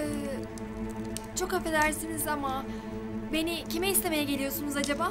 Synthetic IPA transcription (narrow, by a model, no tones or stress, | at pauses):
ɛː | t͡ʃʰo̞khafed̪æɾsinizama | be̞nicimeist̪ʰe̞me̞jɛɟe̞lʲijo̞sunuzad͡ʒabaː